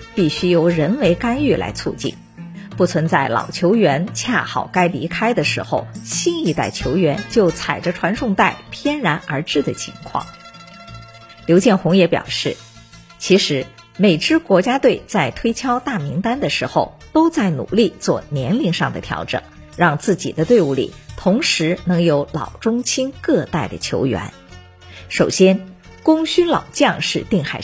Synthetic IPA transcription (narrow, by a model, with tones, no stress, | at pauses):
pi˥˩ɕy˥jo˧˥ʊɻə˧˥nme˧˥ɪka˥ny˥˩lʔa̰˧˥ɪt͡sʰu˥˧t͡ɕḭ˥˩n | pu˥˩t͡sʰwə˧˥nt͡sa˥˩ɪlɑ̰˨˩ʊt͡ɕʰjo˧˥ʊɥɛ˧˥nt͡ɕʰja˥˩xɑ˨˩ʊka˥ɪli˧˥kʰa˥ɪd̪ə˨ʂɻ̩˧˥xo̰˧ʊɕi˥˧ni˥˧t̪a˥˩ɪt͡ɕʰjo˧˥ʊɥɛ˧˥nt͡ɕjo˥˩ʊt͡sʰa˨˩ɪʈ͡ʂə˦ʈ͡ʂʰwa˧˥nʂʰʊ˥˧ŋt̪a˥˩ɪpʰjɛ˥nɻa˧˥nʔə˞˧˥ʈ͡ʂɻ̩˥˩d̪ə˩t͡ɕʰḭ˧˥ŋkʰwɑ̰˥˩ŋ | ljo˧˥ʊt͡ɕjɛ˥˩nxʊ˧˥ŋjɛ˧˥pjɑ̰˨˩ʊʂɻ̩˥˩ | t͡ɕʰi˧˥ʂɻ̩˧˥ | me˨˩ɪʈ͡ʂɻ̩˥kwɔ˧˥t͡ɕja˥t̪we˥˩ɪt͡sa˥˩ɪt̪ʰwe˥ɪt͡ɕʰjɑ˥ʊt̪a˥˩mi˧˥ŋt̪a˥nd̪ə˨ʂɻ̩˧˥xo˥˧ʊt̪o˥ʊt͡sa˥˩ɪnṵ˨˩li˥˧t͡swɔ̰˥˩njɛ˧˥nli˥˧ŋʂɑ˥˩ŋd̪ə̰˩t̪ʰjɑ̰˧˥ʊʈ͡ʂɤ̰˨˩˦ŋ | ɻɑ˥˧ŋt͡sɹ̩˥˩t͡ɕḭ˨˩d̪ə˦t̪we˥˧ɪu˥˩lḭ˨˩t̪ʰʊ˧˥ŋʂɻ̩˧˥nɤ˧˥ŋjo˧˥ʊlɑ̰˨˩ʊʈ͡ʂʊ˥ŋt͡ɕʰi˥nkɤ˥˧t̪a˥˩ɪd̪ə̰˩t͡ɕʰjo̰˧˥ʊɥɛ̰˧˥n | ʂo˨˩ʊɕjɛ˥n | kʊ˥ŋɕy˥nlɑ˨˩ʊt͡ɕjɑ˥˧ŋʂɻ̩˥˧t̪i˥˩ŋxa˥˩ɪ